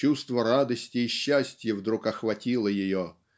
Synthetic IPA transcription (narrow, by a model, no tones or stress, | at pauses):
ust̪vəɾad̪əsʲtʲɪːɕːæsʲtʲjəvd̪ɾukɐxvɐtʲilˠəjɪjo